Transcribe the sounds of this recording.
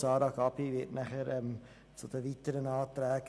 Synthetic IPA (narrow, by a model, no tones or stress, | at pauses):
sɑːdɑkɑpiʋiətnæχəɾəm | sot̪əʋit̪ːəɾənɑːt̪ɾæːk